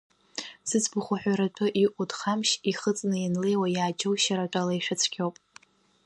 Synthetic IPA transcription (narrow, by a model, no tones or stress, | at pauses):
sɨt͡sʰbʊχʷʊħʷᶣaɾat͡pʷʰʊʔiʔʷʼudχamʃiχət͡sʼnɨjanle̞jwajaːd͡ʒowʃaɾatʷʼalaiʂat͡sʰkʲʰowpʼ